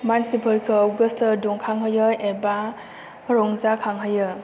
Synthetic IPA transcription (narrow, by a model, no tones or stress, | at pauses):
mansipʰɯɾkʰɯaɡəstədɔŋkʰaŋɦɯjɯeba | ɾɔŋzakʰaŋɦɯjɯ